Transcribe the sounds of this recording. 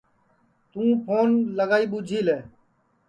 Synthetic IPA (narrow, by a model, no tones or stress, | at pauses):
t̪ũːpʰoːnləɡaːiːɓuːd͡ʒʱiːleː